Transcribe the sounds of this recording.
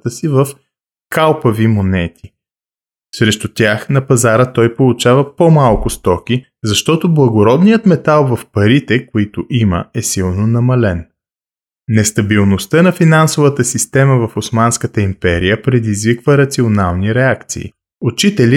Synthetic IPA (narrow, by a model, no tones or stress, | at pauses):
t̪əsivəf | kalˠpɐvimonɛt̪ʰi | sɾɛʃt̪ʊt̪ʲjaxnɐpɐzaɾət̪ɔjpolˠut͡ʃavəpomalˠkʊst̪ɔkʲi | zɐʃt̪ɔt̪oblˠɐɡoɾɔd̪nijət̪mɛt̪alˠvɐfpɐɾit̪ɛkoit̪ʊʔimə̰ɛsilˠnonɐmɐlɛn | nɛst̪ɐbilˠnost̪ənɐfinansovət̪əsist̪ɛməvɐfosmanskət̪əimpɛɾijəpɾɛd̪izvikvəɾɐt̪sionalˠniɾɛakt̪sḭː | ʊt͡ʃit̪ɛli